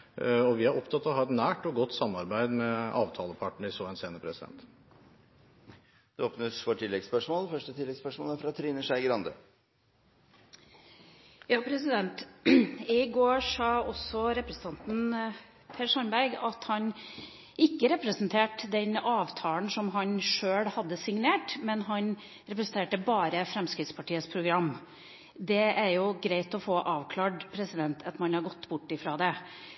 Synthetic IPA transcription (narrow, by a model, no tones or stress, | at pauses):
ɔʋɪhɑɾɔpt̪ʰɑt̪ːɔɦɑːɛt̪næːʈɔɡɔt̪ːsɑmːɑɾbæɪd̪mɛʔɑːʋt̪ʰɑːləpʰɑʈɳ̩ɪsoːɛnseːnəpʰɾɛsɪd̪ɛ̰nt̪ | d̪̥ɛoːpnəsfɔʈʰɪlːɛɡspœʂmoːlfœʂʈət̪ʰɪlːɛɡspœʂmoːlæɾfɾɑt̪ʰɾiːnəʂæɪɡəɾɑnd̪ə̰ | jɑːpʰɾɛsɪd̪ɛnt̪ | ɪɡoːʂɑːɔsɔɾɛpɾəsən̩t̪ɑnt̪n̩ | pʰæɾʂɑnbæɾɡɑt̪hɑn | ɪkːəɾɛpɾəsənt̪ʰeːʈd̪ɛnɑːʋt̪ʰɑːlnsɔmɦɑnʂøːɽhɑd̪ːəsɪŋneːʈmɛnɦɑn | ɾɛpɾəsn̩t̪eːʈəbɑːɾəfɾɛmskɾɪt̪spʰɑʈiːəspʰɾʊɡɾɑmː | d̪ɛʔæɾjʊɡɾæɪt̪ɔfoːʔɑːʋkʰlɑːɖpʰɾɛsɪd̪ɛnt̪ʰɑt̪mɑnhɑɾɡɔt̪ːbʊʈːɪfɾɑːd̪ɛ